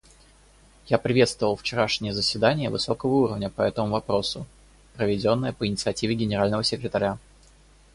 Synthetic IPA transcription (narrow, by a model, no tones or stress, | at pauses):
japɾʲɪvʲe̞t̪st̪vəvəlˠft͡ɕɪɾaʂnʲɪjəzəsʲvʲɪd̪anʲɪjəvɨso̞kəvəuɾəvnʲəpɐɛt̪əmʊvɐpɾo̞sʊ | pɾəvʲɪdʲo̞nːəjəpəɪnʲɪt̪sɨɐtʲivʲɪɡʲɪnʲɪɾalʲnəvəsʲɪkɾʲɪt̪ɐɾʲa